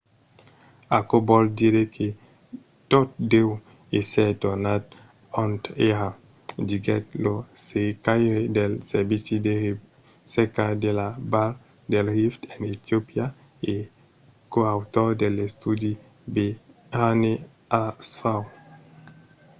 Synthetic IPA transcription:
akobɔldiɾekʰe | tot̚dew | esɛtɔnat | ɔ̃nteɾa | diɡɛt̚losekajedelsɛbiside | sekadelabal | delhiftɛnetiopia | e | koawtɔdelestudi | be | hane | asfaw

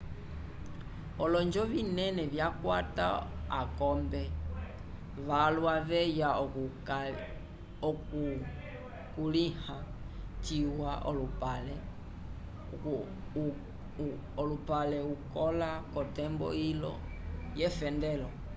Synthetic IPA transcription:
ɔlɔnd͡ʒɔβinɛnɛβjakwata̰akɔmbɛ | ʋalwaʋɛja | k | kuliha | t͡ʃiwaʔɔ̰lupalɛ | ɔlupalɛukɔlakɔtɛmbɔ̰ilɔ̰ | jɛfɛndɛlɔ

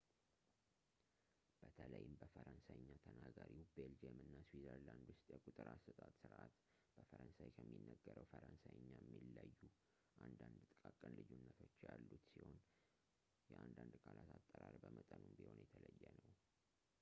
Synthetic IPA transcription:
b̥ət̪ʰələjɪmbəfəɾənsajɨɲːat̪ʰənaɡaɾiwbeld͡ʒemɨnːaswizəɾland̪wʊst̪ʼjɛkʼut̪ʼɨɾasət̪ʼat̪sɨɾʔat̪ | b̥əfəɾənsajkʰəmːinːəɡːəɾəwfəɾənsajɨɲːajɛmːilːajːu | ʔand̪and̪t̪ʼɨkʼakʼənlɨjunːət̪ʰo̞t͡ʃːjalːut̪siho̞n | jɛʔand̪and̪kʼalat̪ʰat̪ʼːəɾaɾbəmət̪ʼənumbiho̞njɛt̪ʰələjːɛnəw

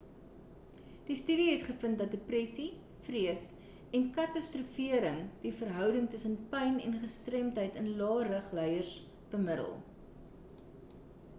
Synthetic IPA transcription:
d̥istyːɾiɦɛtχəfəntdɐt̚deprɛsi | friəs | ɛnkɐtɐstrufiəɾəŋd̥ifərɦœwdəŋtəsənpɛjnɛ̰nχəstrɛmtəjtənlɑːrəχlœjərs | b̥əmədə̰lˠ

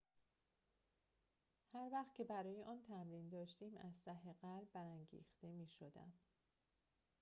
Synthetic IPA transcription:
hæɾvæχt̪̚cʰe̞bæɾɒːjeʔɒːnt̪ʰæmɾiːnd̪ɒːʃt̪iːmæzt̪æɦeɣælbbæɾæŋɟḭːxt̪e̞miːʃod̪æ̰m

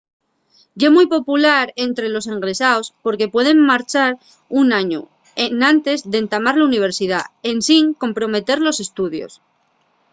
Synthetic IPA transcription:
ɟ͡ʝemujpo̞pulaɾe̞nt̪ɾe̞lo̞se̞ŋɡɾe̞saospo̞ɾke̞pwe̞ð̞e̞ŋmaɾt͡ʃaɾ | unaɲṵ | enãnt̪e̞zðent̪amaɾlauniβ̞e̞ɾsiðae̞nsiŋko̞mpɾo̞me̞t̪e̞ɾlo̞se̞st̪uðjo̞̰s

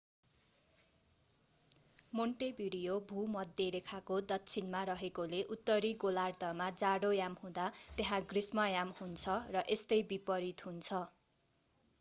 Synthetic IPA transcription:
moɳʈebiɽijobʱumʌd̪ʱːjeɾekʰakod̪ʌtːt͡sʰinmaɾʌɦekoleʔut̪ːʌɾiɡolart̪ʌmad͡zaɽojamhũd̪at̪eɦãɡrismʌjamhunt͡sʰʌrʌʔest̪ʌjbipʌɾit̪ɦunt͡sʰʌ

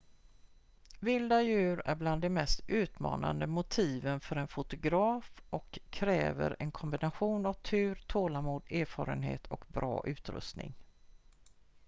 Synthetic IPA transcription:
vɪld̪ajʉ̟ːɾæɾbland̪ɛmɛst̪ʉ̟ːt̪mɑ̰ːna̰nd̪əmʊt̪ʰiːvənfœɾɛnfʊt̪ʊɡɾɑːfʔɔkʰːɾɛːvə̰ɾɛnkʰɔmbɪnaɧuːnavt̪ʰʉ̟ːɾt̪ʰoːlamuːd̪eːɾfɑːɾənhḛːt̪ʰɔkbɾɑ̰ːʔʉ̟ːt̪ɾɵ̰st̪nɪ̰ŋ

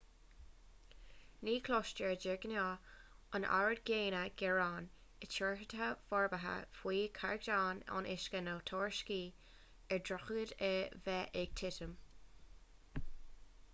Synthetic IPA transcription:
niːkʰlɔʃt͡ʃəɹd͡ʒɪɡnɑːənʔa̰ɹəd̚ɡeːnəɡ̥ɛɹɑːn | ɪt͡ʃɔɹɦəd̪ɦəfɔɹbəɦə̰fwiːkʰaɹɡdaːnɑ̰nʔɪ̰ʃkənoːt̪ʰɔːɹʃkiː | ɛɹdɹɔxəɡədɛvɛʔɛɡ̥̚t̪ʰɪtəm

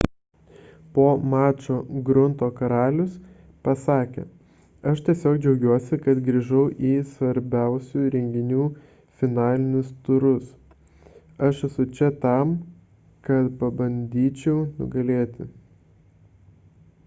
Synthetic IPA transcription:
poːmɑːt͡ʃoːɡɾʊnt̪oːkɐɾɑːlʲʊs | pɐsɑːkʲḛː | ɐʃt̪ʲiɛsʲoːkd͡ʒʲɛʊɡʲuɔsʲɪkɐt̪ɡɾʲiːʒɐʊʔiːsʋɐɾʲbʲæˑʊsʲuɾʲɛŋʲɡʲɪnʲuː | fʲɪnɑːlʲɪnʲʊst̪ʊɾʊs | ɐʃɛsʊt͡ʃʲɛt̪ɑm | kɐt̪pɐbɐnʲd̪ʲiːt͡ʃʲɛʊnʊ̰ɡɐlʲeːt̪ʲɪ

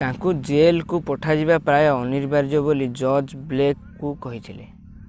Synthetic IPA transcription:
t̪ãŋkud͡ʒelkupɔʈʰad͡ʒiβapɾajɔniɾbaɾd͡ʒɔbolid͡ʒɔd͡ʒblekː | ukɔɦit̪ʰilḛ

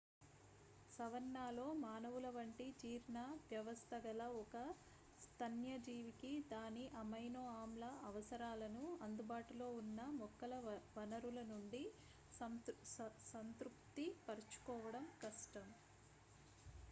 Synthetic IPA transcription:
sɐʋɐnːaːlo̞ːmaːnɐʋulɐʋɐɳʈit͡ʃiːɾɳaːʋjɐʋɐst̪ʰɐɡɐlɐɔkɐ | st̪ʰɐnjɐd͡ʒiːʋikid̪aːniʔɐmɐjnoːaːmlɐɐʋɐsɐɾaːlɐnuɐnd̪ubaːʈulo̞ːunːɐmɔkːɐlɐʋɐnɐɾulɐnuɳɖi | sɐnt̪ɾupt̪ipɐɾɐt͡ʃu̥kɔːʋɐɽɐmkɐʂʈɐm

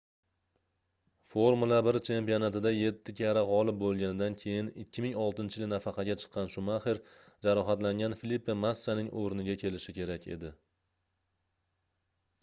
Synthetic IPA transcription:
foɾmulˠabɪɾt͡ʃʰe̞mpio̞nat̪ɪd̪aje̞t̪ːɪkʲʰaɾaʁɒlˠɪp̚bolˠɡʲanɪd̪ankʲʰe̞jɪnɪkʲʰːɪmɪŋɒlˠt̪ɪnt͡ʃʰɪɪlnafɑqʰɑɡʲat͡ʃʰɨ̥qʰːɑnʃʊmaχɪɾ | d͡ʒaɾɒɦat̪laŋʲanfɪlipːemast͡ʃanɪŋʔoɾnɪɡʲakʲʰe̞lɪʃɪkʲe̞ɾakʲe̞̰d̪ɪ

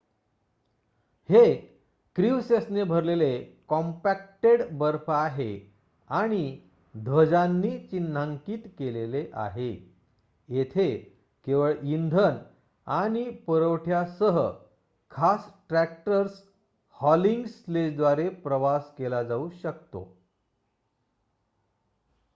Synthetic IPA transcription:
he | kɾiʋsesnebʱəɾlelekɔmpæk̚ʈeɽbəɾfːɦe | aɽ̃i | d̪ʱʋəd͡zanːiːt͡ɕinːaŋkiːt̪keleleʔa̰ɦe | jet̪ʰe | keʋəɭind̪ʱən | aɽ̃ipəɾəʋʈʰjasəɦə | kʰasʈɾæk̚ʈəɾs | hɔliŋɡsled͡ʑd̪ʋaɾepɾəʋaskelad͡zauːɕək̚t̪o̰

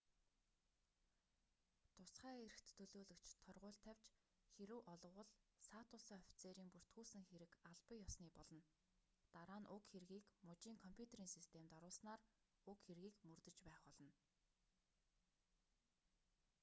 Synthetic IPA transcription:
t̪ʰʊsχæːeɾɘ̆xt̪ʰːɵɮoːɮɵ̆kt͡ɕʰt̪ʰœrʁʊːɮt̪ʰæwʲt͡ɕ | xeɾɘ̆wʔɔɮɞ̆wə̆ɮsaːt̪ʊsɔfʲt͡seːɾiːŋpur̥t̪ɡuːsɘ̆ŋxeɾɘ̆kaɮpə̆jɔsniːpɔɮɞ̆n | t̪aɾaːnʔʊkxerɣiːkmʊt͡ɕiːŋkʰɔmpʰʲjut̪ʰeɾiːŋsist̪ʰemt̪aɾʊːɮsnaːr | ʊkxerɣiːkmɵrt̪ɘ̆t͡ɕpæːχɔɮɞ̆n

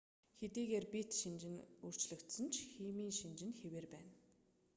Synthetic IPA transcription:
xet̪iːɣeːrpit̪ʃint͡ɕɪ̆nur̥t͡ɕɮɘ̆kt̪sɘ̆nt͡ɕʰxiːmiːŋʃint͡ɕɪ̆nxeweːrpæːn

